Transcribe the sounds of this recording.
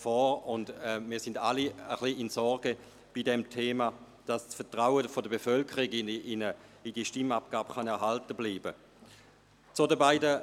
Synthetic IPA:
fɔːʊndɛmiːɐsɪndaliəχliɪnsɔɾɡ̥ə | b̥idɛmtʰeːma | d̥assfɛɐtʁaʊəfodəbefœlkʰəʁiɡnɪnəidiʃtɪmapɡ̥aːbχanɛɐɦaltəbliːbə | t͡sodəbaɪdə

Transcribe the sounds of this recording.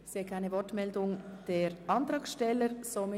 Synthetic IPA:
seːkʰaɪnəvɔɹtmɛldʊŋd̥eːɾʔɑnt̪ɾɑːksʃtɛləɾsomɪ

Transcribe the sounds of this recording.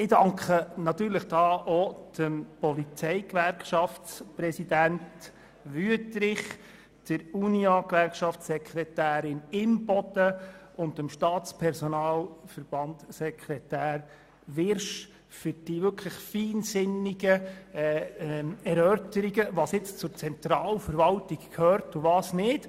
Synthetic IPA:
ɪdɑŋkχənɑt̪yːɾləχd̥ɑːʔod̥əmpɔlit͡sɛɪkʋæɾkʃɑftt͡sprɛsid̪ænt | ʋyətɾɪχ | d̥əɾuniɑkʋærkʃɑfsɛkχrɛt̪æːɾɪnɪmb̥ɔd̪̥ə | ʊndəmʃtɑːtt͡spʰɛɾsɔnɑːlfəɾb̥ɑntsɛkʰɾɛtæːɾ | ʋɪɾʃ | fʏɾd̥iʋʏkʰləχfiːnsɪniɡə | ɛɾœtəɾiɡəʋɑːsjɪt͡st͡sʊɾt͡sɛnt̪ɾɑːlfəɾʋɑltikkʰhøːɾtʊʋɑːsnɪt

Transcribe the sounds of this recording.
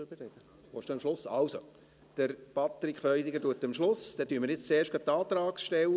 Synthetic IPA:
øbərɛd̪̥ə | ʋoːʃtuːɑmʃlʊsɑlso | d̪̥əɾpɑt̪ɾikfœʏd̪iɡəduətːəmʃlʊsd̥̪ɛːtyːməɾjɪt͡st͡seːɾʃɡ̥ɑt̚tːɑːt̪ɾɑːksʃtɛw

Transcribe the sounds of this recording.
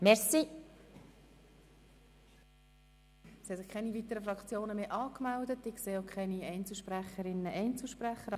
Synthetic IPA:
mɛɾsi | sihɛsɪχkʰɛnivit̪əɾəfɾɑkt͡sjoːnəmeːʔɑːkmɛldətɪkseːokʰɛɪniɛɪnt͡sl̩ˠʃpræχəɾɪnːəʔɛɪnt͡sl̩ʃpɾæχəɾ

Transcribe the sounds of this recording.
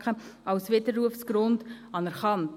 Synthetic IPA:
χəɑʊsvɪdəɾːuəfsɡ̥ɾʊnd | ɑnɛɾχɑnt

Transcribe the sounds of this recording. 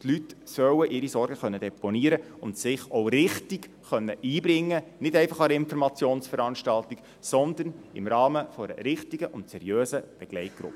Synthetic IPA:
tlytsœwəʔɪɾisɔɾɡ̥əχœnːəd̥ɛponiəɾə | ʊntsɪχɔwɾɪχtik | χœnːəʔiːbɾɪŋːənɪtɛɪfɑχɑɾɪnfɔɾmɑt͡sjoːnsfəɾɑnʃtɑlt̪ik | sɔnd̪ənɪ̰mɾɑːməfoɛɾə̰ɾɪχtiɡəʔʊntsɛɾjøːsəb̥ɛɡ̥lɛɪt̚ɡ̥ɾʊ̰pːə

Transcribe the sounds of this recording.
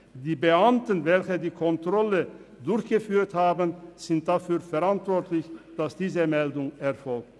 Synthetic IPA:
d̥iːbəʔamtənvɛlçədiːkʰɔntʁ̥ɔlə | dʊɾçɡ̥əfyːɐthaːbənz̥ɪnt̚d̥afyːɐfɛʁantv̥ɔɐtʰlɪçd̥asd̥iːzəmɛldʊŋɛɐfɔlk̚t

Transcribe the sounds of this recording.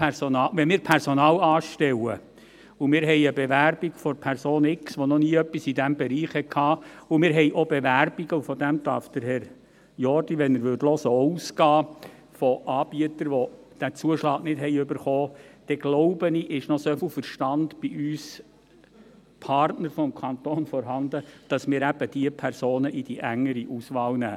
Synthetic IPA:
pʰɛɾsɔnɑːʋɛnmɪːɾpʰɛɾsɔnɑːlɑːʃtɛwə | umɪːɾɦɛjəbɛʋæɾb̥iɡfɔɾpʰæɾsoːnɪksʋɔnɔniːœpːisidæmbɛɾiːχhɛt̚kʰhɑːumɪːɾɦɛjʔɔbeʋærbiɡəufɔd̪æmt̪ɑ̰ːɾfd̪̥əɾhɛɾ | jɔɾdiʋɛnəɾʋʏdlɔsəɔuːsɡ̥ɑː | fɔʔɑːb̥iət̪əɾʋɔ | d̥æt͡suəʃlɑːɡ̥nɪtɦɛɪʏbəɾχɔːd̪̥ɛɡ̥loʊbəniʔɪʃnɔsɔflfəɾʃtɑndb̥iʔyːs | pʰɑrtnəɾfɔmkʰɑnt̪oːnfɔɾɦɑnd̪əd̥ɑsmɪːɾæb̥əd̥iəpʰæɾsoːnəʔid̥iʔæŋːəɾiʔusʋɑːlnæː

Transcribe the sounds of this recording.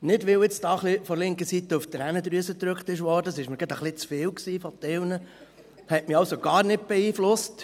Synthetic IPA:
nɪdʋɪlwɪt͡sd̥ɑːχlifɔɾlɪŋkəsit̪əuft̪ɾænəd̪ɾyəsət̪ɾɵkχt̪ɪʃ̬ʋɔːɾdəsɪʃməɾɡɑdəχlɪt͡sfɪːwksiːfɔt̪ɪwnə | hɛtmɪɑwsoɡ̥ɑːɾnɪt̚b̥ɛiːflʊst

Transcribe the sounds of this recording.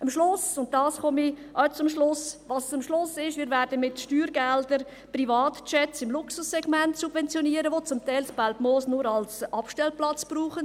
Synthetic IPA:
əmʃlʊsʊnt̚d̥ɑːsχɔmiʔœt͡sʊmʃlʊsvɑst͡sʊmʃlʊsːɪʃʋɪːɾvæːɾdənmɪtʃtyːɾɡɛldəɾ | privɑːtt͡ʃɛtsɪmlʊksʊsːɛɡ̥mɛntsub̥vɛnt͡sjɔniəɾəʋot͡sʊmt̪ɛaɪlsbalpmoːsnʊɾɑlsʔɑpʃtɛlplɑt͡sb̥ruːχən

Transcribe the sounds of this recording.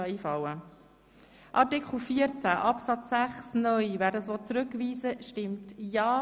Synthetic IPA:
ɑiːfɑwə | ʔɑtɪkχl̩fiəɾt͡sæʔɑpsɑt͡sːæχsnœʏvæːɾdɑsʋɔt͡sɾʏkʋiːzəʃtɪmtjɑː

